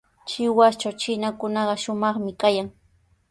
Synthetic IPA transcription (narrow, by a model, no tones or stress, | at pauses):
t͡ʃɪwast͡ʃawt͡ʃɪnakʊnɑɢɑʃʊmɑχmɪkajaŋ